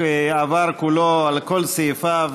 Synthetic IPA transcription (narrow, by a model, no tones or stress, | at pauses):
eavaɾkuloalkolsafav